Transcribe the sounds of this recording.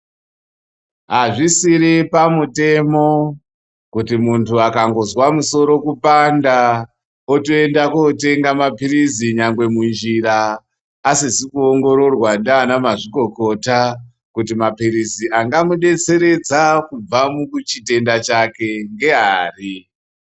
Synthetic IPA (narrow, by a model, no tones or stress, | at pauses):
ɦaʐisiɾipamute̞mo̞ | kutimuntʰuakaŋɡo̞zwamuso̞ɾo̞kupanda | otoe̞ndakote̞ŋɡamapiɾiziɲaŋɡwe̞mund͡ʒiɾaː | sizikuoŋɡo̞ɾo̞rwandaːnamaʐiko̞ko̞ta | kutimapiɾiziʔaŋɡamuɗe̞t͡se̞ɾe̞d͡zakub͡vamuut͡ʃite̞ndat͡ʃake̞ŋɡe̞ɦaːri